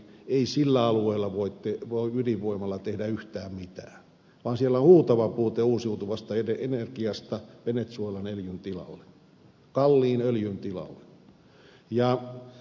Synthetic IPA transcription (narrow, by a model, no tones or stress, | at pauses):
eisilːæɑlueilːˑɑʋoitteʋoiyliʋoimɑlːɑt̪ehdæyht̪æːmmit̪æ̰ː | ʋɑːnsielːohuːt̪ɑʋɑpuːt̪euːsjuut̪uʋɑst̪ɑeeenerkiɑst̪ɑʋenet̪suoilɑneljynt̪ilɑ̰lːe̥ | kɑlːiːnøljynt̪ilɑ̰lːe̥ | jɑ